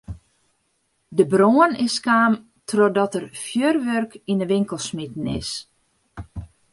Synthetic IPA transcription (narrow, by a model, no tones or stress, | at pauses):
dəbroːənɪskaːm | tʰrɔdɔtərfjørʋørkinəʋɪŋkəlˠsmitn̩ɪ̰s